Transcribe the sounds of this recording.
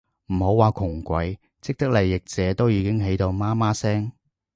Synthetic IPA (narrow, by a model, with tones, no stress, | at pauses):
m̩˨˩ho˨˥waː˨˧kʰʊ˨˩ŋkʷɐ˨˥j | t͡sɪ˥k̚t̪ɐ˥k̚lɐ˨˩jːɪ˨k̚t͡sɛː˨˧t̪o˥wjiː˨˧kɪ˥ŋɦe˨˥jt̪o˧wmaː˥maː˥sɛː˥ŋ